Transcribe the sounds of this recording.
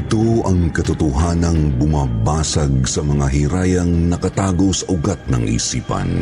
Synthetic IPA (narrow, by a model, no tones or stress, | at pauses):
t̪oɐŋkɐt̪ʊt̪ʊɦanɐŋbʊmabaːsɐɡ̚sɐmɐŋaɦiɾaːjɐŋnɐkɐt̪aːɡowsɐʔʊɡat̪̚nɐŋʔḭːsiːpɐ̰n